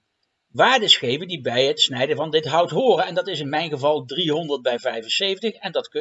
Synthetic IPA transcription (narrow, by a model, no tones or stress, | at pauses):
ʋaːɹdəsχejvəndibɛjɦətsnɛjdəvɑndɪtɦʌwtɦʊːrənɛndɑtɪsɪnmɛjnχəvɑlˠdriɦɔndəɹt̚bɛjvɛjvənsejvəntəχɛndɑtk